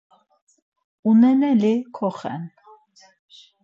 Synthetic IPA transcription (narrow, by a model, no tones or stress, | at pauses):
unɛnɛlikʰɔχɛ̰n